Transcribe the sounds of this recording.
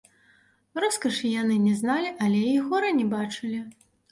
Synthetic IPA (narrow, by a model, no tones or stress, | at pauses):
rɔskɐʂijanɨnʲɛznalʲiʔɐlʲɛiɣɔɾɐnʲɛbat͡ʂɨlʲi